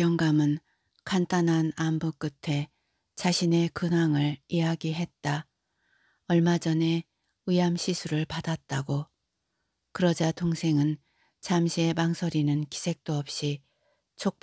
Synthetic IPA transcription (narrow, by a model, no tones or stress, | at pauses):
jʌŋɡamɯn | kant͈anɦanambok͈ɯtʰe̞ | t͡ɕaɕʰine̞kɯnɦaŋɯɭijaɡiɦe̞t̚t͈a | ʌɭmad͡ʑʌne̞ | ɯamɕʰisʰuɾɯɭpadat̚t͈aɡo | kɯɾʌd͡ʑatʰoŋsʰe̞ŋɯn | t͡ɕamɕʰie̞maŋsʰʌɾinɯnki̥sʰe̞k̚t͈oʌp̚ɕ͈i | t͡ɕʰok̚p